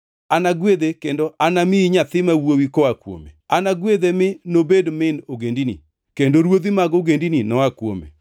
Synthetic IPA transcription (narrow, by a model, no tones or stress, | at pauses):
anaɡwed̪ekendoʔanamiiɲat̪ɪmawowikɔakwo̰mḛanaɡwed̪emɪnobedmɪnoɡendinḭ | kendoɾwod̪imaɡoɡendininɔwakwo̰mḛ